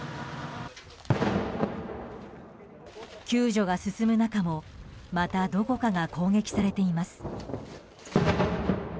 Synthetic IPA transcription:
kʲɨːʑo̞ɡasɨsɨmɯ̟nakamo̞mat̪ad̪o̞ko̞kaɡakʰo̞ːŋɡe̞kʲi̥saɾe̞t̪e̞imasɨ̥

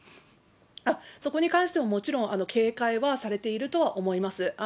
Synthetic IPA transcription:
aso̞ko̞ɲ̟ikãɰ̃ɕi̥t̪e̞momo̞t͡ɕiɾõ̞ŋ̃ʔano̞kʰe̞ːkaiβasaɾe̞t̪e̞iɾɯ̟t̪o̞βaʔo̞mo̞imasɨ

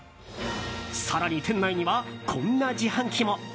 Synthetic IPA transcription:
saɾaɲ̟it̪ʰẽ̞nːaiɲ̟iβakʰõ̞nːad͡ʑihãŋkʲimo̞

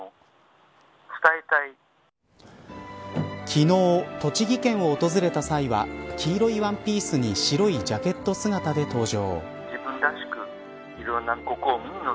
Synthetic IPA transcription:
t͡sɨ̥t̪aet̪ai | kʲʰino̞ːt̪o̞t͡ɕiɡʲikẽ̞ɰ̃o̞ːt̪o̞zɨɾe̞t̪asaiβa̰kʲiːɾo̞iβãmpʲiːsɨɲ̟iɕiɾo̞id͡ʑake̞t̪ːo̞sɨɡat̪ad̪e̞t̪o̞ːʑo̞̰ː | ibɯ̟̃nd̪aɕi̥kɯ | iɾõnːaɡo̞koːmiɲino

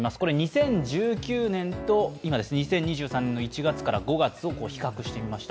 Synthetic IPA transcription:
masɨ̥ko̞ɾe̞ɲ̟isẽ̞ɲ̟d͡ʑɨːkʲɨːnẽ̞ntt̪o̞imad̪esɨneɲisẽ̞ɲ̟ːiʑɨːsãnːe̞nːoit͡ɕiɡat͡sɨ̥kaɾa̰ɡo̞ɡat͡sɨo̞ko̞ːçi̥kakɯ̟ɕi̥t̪e̞mʲimaɕi̥t̪a

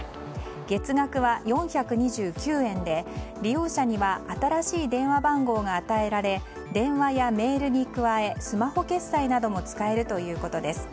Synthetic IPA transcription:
ɡ̥e̞t͡sɨɡakɯ̟βajõ̞ɰ̃çakɯ̟ɲ̟iʑɨːkʲɨːẽ̞nd̪e̞ɾʲijo̞ːɕaɲ̟iβaʔat̪aɾaɕiːd̪ẽ̞ɰ̃βabãŋɡo̞ːɡaːt̪ae̞ɾaɾe̞ | d̪ẽ̞ɰ̃βajame̞ːɾɯ̟ɲ̟ikɯ̟βae̞sɨmaho̞ke̞sːainad̪o̞mo̞t͡sɨ̥kae̞ɾɯ̟t̪o̞jɯ̟ːko̞t̪o̞d̪e̞sɨ̥

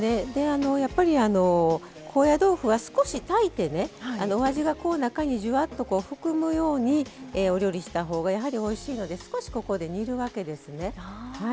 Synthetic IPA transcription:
ne̞d̪e̞ano̞japːaɾʲiano̞ | kʰo̞ːjad̪o̞ːɸɯ̟βasɨ̥ko̞ɕit̪ait̪e̞ne̞ano̞ːβaʑiɡako̞ːnakaɲ̟iʑɨβat̪ːo̞ko̞ːɸɯ̟kɯ̟mɯ̟jo̞ːɲ̟ieo̞ɾʲjo̞ɾʲiɕi̥t̪aɦo̞ːɡajaɦaɾʲio̞iɕiːno̞d̪e̞sɨ̥ko̞ɕi̥ko̞ko̞d̪e̞ɲ̟iɾɯ̟βake̞d̪e̞sɨne̞hha

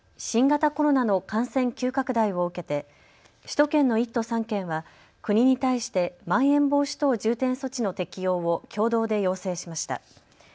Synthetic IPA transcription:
ɕĩŋɡat̪ako̞ɾo̞nano̞kãɰ̃sẽ̞ŋkʲɨːkakɯ̟d̪aiβo̞ɯ̟ke̞t̪e̞ | ɕi̥t̪o̞kẽ̞nːo̞it̪ːo̞sãŋkẽ̞ɰ̃βa | kɯ̟ɲ̟iɲ̟it̪aiɕi̥t̪e̞mãɰ̃ẽ̞mbo̞ːɕi̥t̪o̞ːʑɨːt̪ẽ̞ɰ̃so̞t͡ɕino̞t̪e̞kʲijo̞ːβokʲo̞ːd̪o̞ːd̪e̞jo̞ːse̞ːɕimaɕi̥t̪a̰

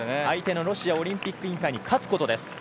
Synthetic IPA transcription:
neait̪e̞no̞ɾo̞ɕiao̞ɾʲĩmpʲikːɯĩŋk̪aiɲ̟ikʰat͡sɨ̥ko̞t̪o̞d̪e̞sɨ̥

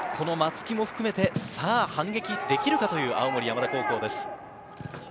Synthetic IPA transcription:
kʰo̞no̞mat͡sɨ̥kʲimo̞ɸɯ̟kɯ̟me̞t̪e̞saːhãŋɡe̞kʲid̪e̞kʲiɾɯ̟kat̪o̞jɯ̟ːʔa̰omo̞ɾʲijamad̪ako̞ːko̞ːd̪e̞sɨ̥

